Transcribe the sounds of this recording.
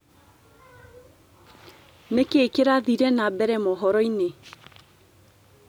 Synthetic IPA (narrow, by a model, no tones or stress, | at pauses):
nekeːkeɾaðiɾɛnabɛɾɛmɔɦɔɾɔine